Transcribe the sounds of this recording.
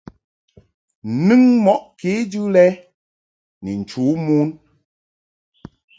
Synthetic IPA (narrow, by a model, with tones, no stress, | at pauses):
n˨nɨ˦ŋmɔ˦ʔke˨˦dʉ˦lɛ˦ | ni˨n̩˨t͡ʃuː˨˦mu˦n